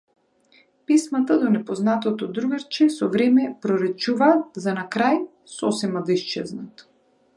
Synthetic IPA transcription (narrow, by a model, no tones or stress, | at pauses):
pismat̪ad̪ɔnɛpɔznat̪ɔt̪ɔd̪ɾuɡaɾt͡ʃɛsɔvɾɛmɛpɾɔɾɛt͡ʃuvaːt̪̚zanakɾaj | sɔsɛmad̪iʃt͡ʃɛznat̪